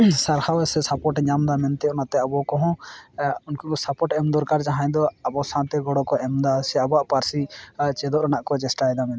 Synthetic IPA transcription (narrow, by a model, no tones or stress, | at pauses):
saɾhawɛsɛsapɔʈɲamd̪amɛnt̪ɛɔnat̪ɛabɔkɔɦɔ̃ | unkaɔsapɔʈɛmd̪ɔɾkaɾd͡ʒaɦãɲd̪ɔabɔsãt̪ɛɡɔɽɔkɔʔɛmd̪asɛabaʔpaɾsit͡ʃɛd̪ɔʔɾanaʔkɔd͡ʒɛsʈajɛd̪amɛn